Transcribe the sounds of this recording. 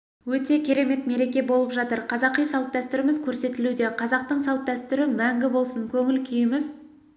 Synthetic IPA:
wɵt̪e̞kʲʰe̞ɾe̞me̞t̪me̞ɾe̞kʲe̞bo̞lˠəpʒɑt̪əɾqʰɑzɑqijsɑlˠt̪̚d̪æst̪ʏɾɪmɪzkʲʰɵɾse̞t̪ɪlud̪e̞qʰɑzɑq̚t̪əɴsɑlˠt̪̚d̪æst̪ʏɾɪmæŋɡʲɪbo̞lˠsəŋkʲʰɵŋɪlkʲʰijɪmɪz

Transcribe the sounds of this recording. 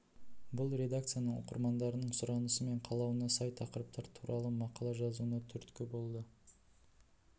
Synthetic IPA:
bʊlˠɾe̞d̪ak̚t̪sɨjanəɴo̰qə̰ɾmɑnd̪ɑɾənəɴsʊɾɑnəsəme̞ɴqʰɑlˠɑwənɑsɑjt̪ʰɑqəɾəp̚t̪ɑɾt̪ʰuɾʔɑlˠəmɑqɑlˠɑʒɑzuənɑt̪ʰʏɾt̪kʲɪbo̞lˠd̪ə

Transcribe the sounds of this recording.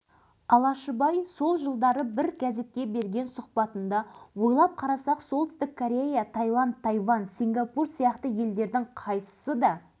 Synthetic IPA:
ɑlˠɑʃəbɑjso̞lˠʒəlˠd̪ɑɾəbɪɾɡʲæze̞t̪̚kʲe̞be̞ɾɡʲe̞nsʊqpɑt̪ənd̪ɑwo̞jlˠɑp̚qʰɑɾɑsɑqsolˠt̪ɪst̪ɪkʰːoɾʲe̞jat̪ʰɑjlˠɑndt̪ʰːɑjvɑnsiŋɡɑpursijɑqt̪əje̞ld̪e̞ɾd̪ɪɴqʰɑjsə̥səd̪ɑ

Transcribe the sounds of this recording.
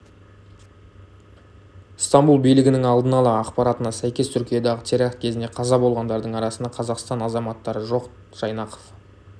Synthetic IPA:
st̪ɑmbulˠbijlɪɡʲɪnɪŋɑlˠd̪ənɑlˠɑːqpɑɾɑt̪ənɑsæjkʲe̞st̪ʰʏɾkʲijɑd̪ɑʁət̪ʰe̞ɾɑqt̪̚kʲʰe̞zɪne̞qʰɑzɑbo̞lˠʁɑnd̪ɑɾd̪əɴɑɾɑsənd̪ɑqʰɑzɑqst̪ɑnɑzɑmɑt̪ːɑɾəʒo̞q | ʒ̥ɑjnɑqə̥f

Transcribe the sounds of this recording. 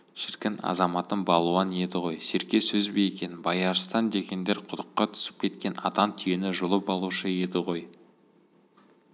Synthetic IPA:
ʃɪɾkʲɪnɑ̰zɑmɑt̪ənbɑlˠuɑne̞d̪ɪʁo̞jse̞ɾkʲe̞sɵzbe̞jekʲe̞nɪbɑjɑɾəst̪ɑnd̪e̞kʲe̞nd̪e̞ɾqʰʊd̪əqːɑt̪ʰʏ̥sɪ̥p̚kʲʰe̞t̪kʲe̞nɑ̰t̪ɑnt̪ʰʏjenɪʒʊlˠəpɑlˠuʃəe̞d̪ɪʁo̞j

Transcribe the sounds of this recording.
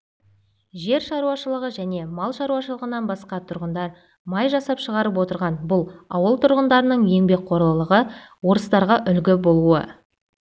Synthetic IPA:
ʒe̞ɾʃɑɾuwɑʃəlˠəʁəʒæne̞mɑlˠʃɑɾuwɑʃəlˠəʁənɑnbɑsqɑt̪ʰʊɾʁənd̪ɑɾ | mɑjʒɑsɑpʃəʁɑɾəp̬wo̞t̪əɾʁɑnbʊlˠɑ̰wəlˠt̪ʰʊɾʁənd̪ɑɾənəɴje̞ŋbe̞k̚qʰo̞ɾlˠəlˠəʁəwo̞ɾəst̪ɑɾʁɑʔʏlɡʲɪbo̞lˠuə̰

